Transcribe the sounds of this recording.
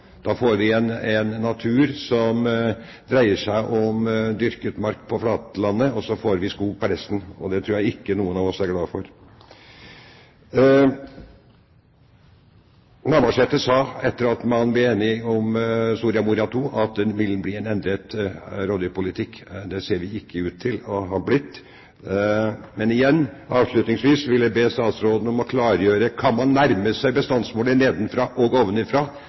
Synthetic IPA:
d̪̥ɑːfoːɾʋɪɛnɛnːɑt̪ʰʉːɾsɔm | d̪ɾæɪəʂæɪʔɔmd̪ʏɾkət̪mɑɾkpʰɔflɑːt̪əlɑnːəɔsɔfoːɾʋɪskuːɡ̚pɔɾɛst̪n̩ɔd̪ɛt̪ʰɾuːjæɪɪkːənuːənɑʋɔsæɾɡlɑːfɔɾ | nɑːɾboːʂheːt̪əsɑːɛt̪ːəɾɑt̪mɑnblɪeːnɪɔmsuːɾɪɑmuːɾɑt̪ʰuːʔɑt̪̚d̪ɛnʋɪlbliːɛnɛnd̪ɾət̪ɾoːd̪əpʊlɪt̪ʰɪkːd̪ɛseːɾʋɪɪkːəʉːt̪ʰːɪlɔɦɑblɪt̪ː | mɛnɪjɛnːʔɑːʋʂɭʉt̪nɪŋsʋiːsʋɪlːəbeːst̪ɑːt̪sɾoːd̪n̩ɔmɔkʰlɑːɾjøːɾəkʰɑnmɑnːæɾməsæɪbəst̪ɑnsmoːləneːd̪n̩fɾɑːʔɔɡɔʋnəɪfɾɑː

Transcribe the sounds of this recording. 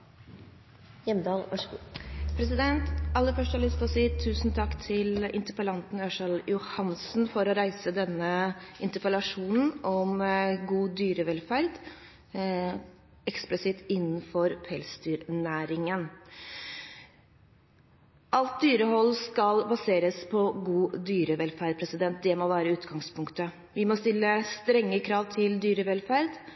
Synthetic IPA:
jɛmd̪ɑːlɑʂpʰɾɛsɪd̪ɛnt̪ɑlːəɾfœʂʈhɑlʏst̪ɔsiːt̪ʰʉːsnt̪ʰɑkːt̪ʰɪlɪ̰nt̪əɾpəlɑnt̪n̩øːʂɑljʊhɑnsn̩fɔɾɔɾæɪsəd̪ɛnːəʔɪnt̪əɾpəlɑʂuːnn̩ɔmɡuːd̪yːɾəʋɛlfæɾd̪ | ɛksplɪsɪt̪ɪnːn̩fɔɾpʰɛlsd̪yːɾnæːɾɪŋən | ʔɑlt̪̚d̪yːɾəɦɔlːskɑlbɑseːɾəspʰɔɡuːd̪yːɾəʋɛlfæɾɖ̪̚pʰɾɛsɪd̪ɛnt̪̚d̪ɛmɔʋæːɾəʉːt̪ɡɑŋspʰʊŋkt̪ə | ʋɪmɔst̪ɪlːəst̪ɾɛŋːəkʰɾɑːʋt̪ʰɪld̪yːɾəʋɛlfæɾd̪

